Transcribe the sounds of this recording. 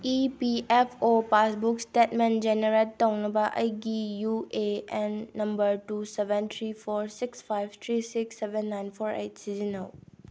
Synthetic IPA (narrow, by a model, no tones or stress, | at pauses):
ipiepʰopasbuksʈetmend͡ʒeneɾetːɐwnɐbɐʔɐ̰jɡijueenːɐmbəɾʈusebent̪ʰɾipʰoɾsikspʰajbt̪ʰɾisiksːebenːajnpʰoɾḛjtsizinow